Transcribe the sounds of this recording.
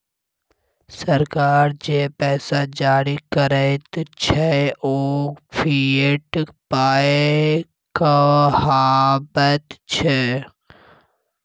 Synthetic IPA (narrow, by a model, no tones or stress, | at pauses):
səɾkaːɾd͡ʒeːpɛːsad͡ʒaːɾikəɾət̪t͡ʃʰɛoːpʰiːʈpaːe | kahaːbət̪t͡ʃʰe